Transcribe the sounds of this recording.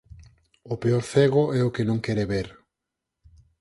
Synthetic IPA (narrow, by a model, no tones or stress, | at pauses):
ʊpeoɾθeɣʊɛʊkenõŋkɛɾeβeɾ